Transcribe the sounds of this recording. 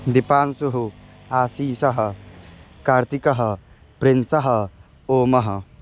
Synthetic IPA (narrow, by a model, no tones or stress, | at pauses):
d̪ipaːnsuɦu | aːsiːsɐɦɐ | kaːɾt̪ikɐɦɐ | pɾinsɐɦɐ | oːmɐɦɐ